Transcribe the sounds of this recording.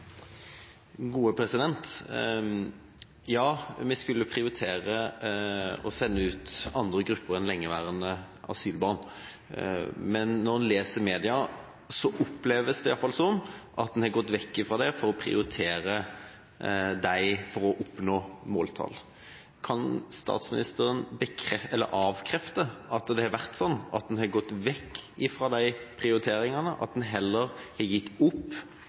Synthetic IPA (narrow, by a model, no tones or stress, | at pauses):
ɡuːəpʰɾɛsɪd̪ɛnt̪ | jɑːmɛskʉlːəpʰɾɪʊɾɪt̪ʰeːɾə | ɔsɛnːəʉːt̪ɑnd̪ɾəɡɾʉpːəɾɛnlɛŋːəʋæːɾənə | ɑ̰syːlbɑːn | mɛnːɔɾleːsəɾmeːd̪ɪɑ | sɔʔʊpːlɛʋəsd̪ɛɪjɑlfɑlsɔnʔɑt̪̚d̪ɛnhɑɡɔt̪ːʋɛkːɪfʁɑd̪ɛfɔɾɔpʰɾɪ̰ʊɾɪt̪ʰeːɾə | d̪æɪfɔɾɔʔʊpnoːmoːlt̪ʰɑ̰ːl | kʰɑnst̪ɑ̰ːt̪smɪnɪst̪əɾənbəkʰɾɛɛlːə̰ɾɑːʋkʰɾɛft̪əɑt̪d̪ɛhɑɾʋæɾt̪sɔnːɑ̰t̪̚d̪ɛnhɑɡɔt̪ːʋɛkːɪfɾɑd̪æɪpʰʁɪʊɾɪt̪ʰeːɾɪŋɑnəʔɑ̰t̪̚d̪nɦɛlːəɾhɛjɪt̪ːʊpː